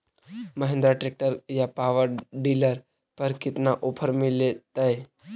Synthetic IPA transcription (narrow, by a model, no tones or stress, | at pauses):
məɦẽnd̪ɾaʈɾeːk̚ʈəɾjapaːʋəɾɖiːləɾ | pɐɾkɪt̪naʔopʰəɾmɪlet̪ae